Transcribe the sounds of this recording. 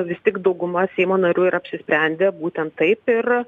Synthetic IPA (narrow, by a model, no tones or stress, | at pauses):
ʋʲɪst̪ʲɪkd̪ɐʊɡʊmɐsʲɛɪmoːnɐɾʲuːɪɾɐpʲsʲɪsʲpʲɾʲɛnʲd̪ʲeːbuːt̪ʲɛnt̪tɐɪpɪr